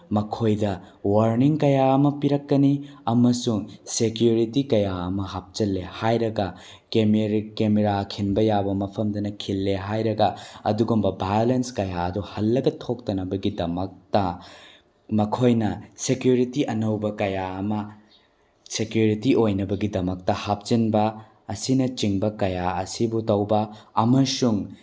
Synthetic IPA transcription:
mɐkʰojdɐ | wɐɾniŋkɐjaɐmɐpiɾɐkːɐniɐmɐsuŋsekjuɾitikɐjaɐmɐɦap̚t͡ʃɐlːehajɾɐɡɐ | kemɾkemeɾakʰinbɐjabɐmɐpʰɐmdɐnɐkʰilːeɦajɾɐɡɐɐ̰duɡumbɐbajolenskɐjaɐduhɐlːɐɡɐtʰok̚tɐnɐbɐɡidɐmɐk̚tɐ | mɐkʰojnɐsekjuɾitiʔɐnɐwbɐkɐjaɐmɐ | sekjuɾitiʔojnɐbɐɡidɐmɐk̚tɐhap̚t͡ʃinbɐː | sinɐt͡ʃiŋbɐkɐjaɐsibutɐwbɐɐmɐsuŋ

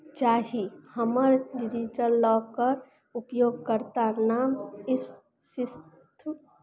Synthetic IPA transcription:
t͡ʃaːɦihəməɾɖɪɾid͡ʒəɾlɔːkəɾ | ʊpjoːɡkəɾt̪anaːmɪs | sɪs | t̪ʰ

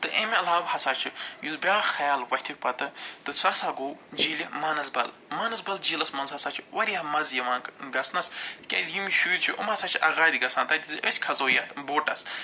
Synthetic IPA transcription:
t̪ɨʔemʲiɐlaːʋhɐsaːt͡ʃʰijuzbʲaːxɐjaːlwɐhʲt̪ʰʲikpɐt̪ɨt̪ɨt͡sʰaːsaːɡoːd͡ʒilʲimaːnɐzbɐ̰l | maːnɐzbɐld͡ʒilɐsmɐnzhɐsaːt͡ʃʰiwɐɾʲihɐmɐzjɐʋãːɡɐsnɐskʲɐ̰zjumiʃuːɾʲt͡ʃʰiʔṵmhɐsaːt͡ʃʰiʔɐɣaːd̪ʲiɡɐsãːnt̪ɐt̪ʲizɨʔəsʲkʰɐzoːjɐt̪ʰboːʈɐ̰s

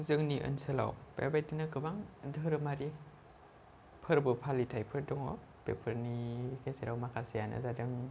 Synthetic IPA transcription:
zɯŋniʔɯ̰nsɯla̰wpḛbajtɯnɯkɯbaŋdɯɾɯmaɾi | pʰɯɾbɯpʰalitʰajpʰɯɾdɔŋɔ̰ | pḛpʰəɾnikʰasiɾawmakʰasijanɯ̰zadɯŋ

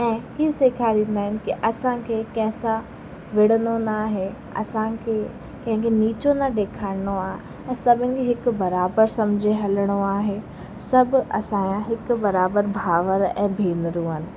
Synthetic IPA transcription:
ɛ̃ːiːseːkʰaːɾĩːnd̪aːɦɪnɪ̆kiʔɐsãkʰeːkɐ̃ɦɪ̃sã | ʋɪɽ̤ənonaːɦe | ɐ̰sãkʰeː | kɐ̃ɦɪ̃ŋkʰeniːt͡ɕonɐɗeːkʰaːɪnoaːɦe | ɛ̃ːsɐbʱənɪ̆kʰeɦɪkʊbɐɾaːbəɾsɐ̃md͡ʑʱeɦɐləɽ̃oaːɦe | sɐbʱɪ̆ɐ̰sãjãɦɪkʊbɐɾaːbəɾbʱaːʋəɾɛ̰̃ːbʱiːnɾũɦənɪ̆

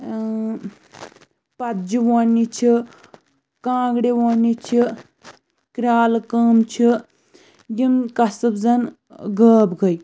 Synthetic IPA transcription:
pɐt̪d͡ʒiwonit͡ʃʰi | kãːɡɽewonit͡ʃʰi | kɾaːlkɐːmt͡ʃʰi | ɡimkɐsɨbzɐn | ɡəːbɡɐj

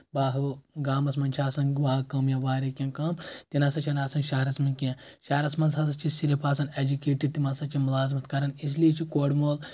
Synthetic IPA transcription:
baːɦɨɡaːmɐsmɐnt͡ʃʰaːsɐnbaːɦkɐmjɐʋaːɾekʲẽːnkɐmt̪inɐsɐt͡ʃʰɐnaːsɐnʃɐɦɾɐsmɐnkʲẽː | ʃɐːɾɐsmɐnzɐsɐt͡ʃʰisilipʰaːsɐned͡ʒukeːʈiɖ̚t̪imɐsɐt͡ʃʰimulaːzmɐt̪kɐɾɐnis̬liet͡ʃʰikoːɽmoːl

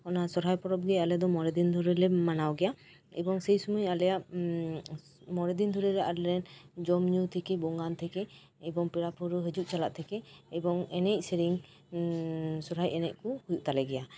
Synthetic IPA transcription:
ɔnasɔɾɦajpɔɾɔp̚ɡɛalɛd̪ɔmɔɾɛd̪ind̪ʱuɾɛlɛmanawɡɛja | ɛ̰bɔŋsɛjsumujalɛjaʔ | mɔɾɛd̪ind̪ʱɔɾɛɾɛʔaɾɾɛnd͡ʒɔmɲut̪ʰɛkɛbɔŋɡant̪ʰɛkɛ | ɛbɔŋpiɾapʰuɾɯɦəd͡ʒuʔ̚t͡ʃala̰ʔt̪ʰɛkɛːbɔŋɛnɛc̚sɛɾiŋ | sɔɾɦajɛnɛʔ̚kuhujuʔt̪alɛɡɛja

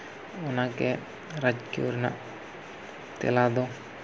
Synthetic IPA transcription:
ʊnake | ɾad͡ʒkjṵɾna̰ʔ | t̪ḛlaːd̪oː

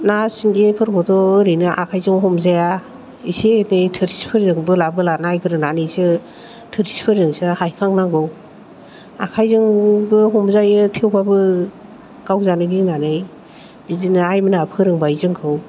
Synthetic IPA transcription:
nasiŋɡepʰɯɾbɔdɔɯɾɯjnɯʔa̰kʰajzɯŋɦɔmzaja | isenɯjtʰɯɾispʰɯɾzɯŋbɯlabɯlanajkʰɯɾɯnanɯjsɯ | tʰɯɾispʰɯɾzɯŋsɯhajkʰaŋnaŋɡɯw | a̰kʰajzɯŋbɯɦɔmzajɯtʰewbabɯ | ɡ̥awzanɯɡinanɯj | bizinɯajmɯnapʰɯɾɯŋbajzɯŋkʰɯw

